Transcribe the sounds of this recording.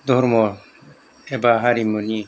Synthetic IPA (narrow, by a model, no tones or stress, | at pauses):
d̪ɔɾmɔ | ɛbaɦaɾimɔni